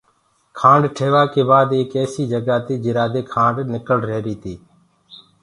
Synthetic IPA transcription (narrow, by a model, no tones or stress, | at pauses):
kʰãːɳɖʈʰeːʋaːkeːbaːd̪eːkeːsiːd͡ʒəɡaːt̪iːd͡ʒɪɾaːd̪eːkʰãːɳɖnɪkəlɾeːɾiːt̪ʰiː